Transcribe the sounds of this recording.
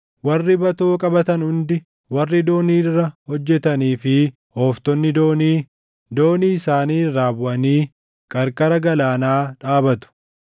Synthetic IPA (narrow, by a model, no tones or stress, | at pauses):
wɐrːɪbɐt̪o̞ːkʼɐbɐt̪ɐnhʊnd̪ɪ | wɐrːɪd̪o̞ːniːrːɐhɔd͡ʒːɛt̪ɐniːfɪ | hoːft̪ɔnːɪd̪oːniː | d̪o̞ːniːsaːniːɾaːbʊʔɐniː | kʼɐɾkʼɐɾɐɡɐlaːnaːᶑaːbɐt̪ʊ̥